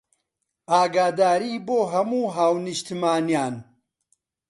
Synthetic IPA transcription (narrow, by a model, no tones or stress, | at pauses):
aːɡaːd̪aːɾiːboːɦɐmuːɦaːwnɨʃt̪imaːnjaːn